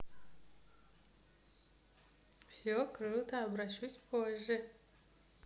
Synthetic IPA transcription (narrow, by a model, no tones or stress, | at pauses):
fsʲokɾɨlˠt̪ʰɐːbɾaʃusʲpʰoʒe